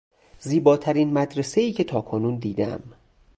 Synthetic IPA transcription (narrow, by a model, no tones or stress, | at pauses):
ziːbɒːt̪ʰæɾiːnmæd̪ɾese̞iːcʰe̞t̪ʰɒːkʰonuːnd̪iːd̪æ̰m